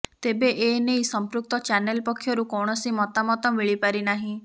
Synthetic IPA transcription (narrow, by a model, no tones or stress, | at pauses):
t̪ebeʔenejsɔmpɾuk̚t̪ɔt͡ʃanelpɔkʰːjɔɾukɔwɳ̃ɔsimɔt̪amɔt̪ɔmiɭipaɾinaɦĩ